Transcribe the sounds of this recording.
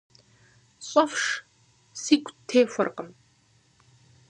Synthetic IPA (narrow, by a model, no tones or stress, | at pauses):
ɕʼɐfʂ | siːkʷʰʼtʰeːfʷɐrqəm